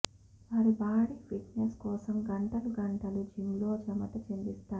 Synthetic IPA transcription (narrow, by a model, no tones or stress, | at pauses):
ʋaːɾibaːɽipʰiʈneskɔːsɐmɡɐɳʈɐluɡɐɳʈɐlud͡ʒimloːd͡ʒɐmɐt̪ɐt͡ʃend̪ist̪aː